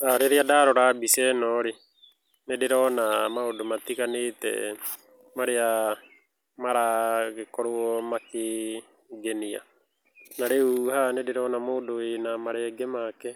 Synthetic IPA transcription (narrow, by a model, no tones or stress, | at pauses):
aɾeɾeadaɾɔɾaːbisɛnɔɾe | nedeɾɔnamaodomatiɣanetɛ̰ | maɾea | maɾaɣekɔɾoɔmake | ɡenia̰ | naɾeuhanedeɾɔnamoːdoenamaɾɛːɡɛmakɛ